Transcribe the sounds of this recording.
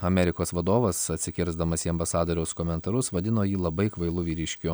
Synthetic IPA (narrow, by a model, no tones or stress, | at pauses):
ɐmʲɛɾʲɪkoːsʋɐd̪oːʋɐsɐt̪ʲsʲɪkʲɪɾzd̪ɐmɐsʲiːɐmbɐsɑːd̪oːɾʲɛʊskoːmʲɛnt̪ɐɾʊsʋɐd̪ʲɪnoːjiːlˠɐbɐɪkʋɐɪlˠʊʋʲiːɾʲɪʃʲkʲʊ